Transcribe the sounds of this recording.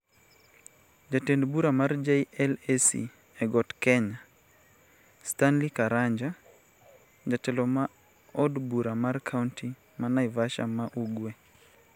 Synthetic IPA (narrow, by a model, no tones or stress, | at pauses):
d͡ʒatendbuɾamard͡ʒeiɛlɛsḭ | ɛɡɔtkɛɲa | stanlikaɾaɲd͡ʒa | d͡ʒatɛlɔma | ɔdbuɾamarkʰauntʰi | manaivaʃa̰maʔuɡwe